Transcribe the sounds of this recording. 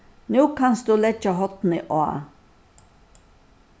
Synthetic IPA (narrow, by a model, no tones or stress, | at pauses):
nuːkʰɑnsd̪uːlɛt͡ʃəɦɔt̪nɪʔoa̰